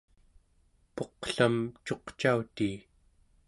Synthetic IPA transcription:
po̞qɬamt͡ʃo̞qt͡ʃaut̪iː

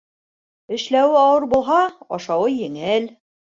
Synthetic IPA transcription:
ɘ̆ʃlæwɘɑwɤɾbulˠɦɑɑ̰ʃɑwɤjɘ̆ŋɘl

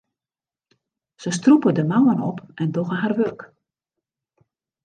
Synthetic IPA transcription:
səs̬trupədəmawənɔ̰pɛndoɣəɦarʋørk

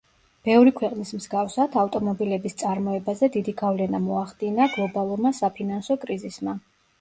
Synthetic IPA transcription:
b̥ɛvɾikʰwɛqʼnismzɡafsat̪ʰaft̪ʼɔmɔbilɛbist̪sʼaɾmɔɛbazɛd̪id̪iɡavlɛnamɔaχd̪inaɡlˠɔbalˠuɾmasapʰinansɔkʼɾizisma

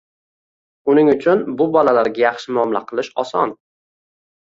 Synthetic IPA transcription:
ʊnɪŋʊt͡ʃʰʊnbʊbɒlalaɾɡʲajɑχʃɪmɒmla̰qʰɨlˠɪʃɒsɒ̰n

